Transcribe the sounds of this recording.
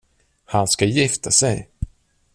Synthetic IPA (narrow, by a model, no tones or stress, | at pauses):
hanskajɪft̪ʰasɛj